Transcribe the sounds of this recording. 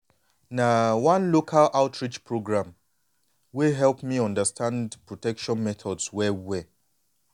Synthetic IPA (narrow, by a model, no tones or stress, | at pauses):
nawãnlokʰalaʊtʰɹit͡ʃpɹoɡɹãm | wiɦɛlpmiɔ̃ndəstʰãndpɹɔtɛkʃɔ̃nmɛθʰɔdswɛwɛ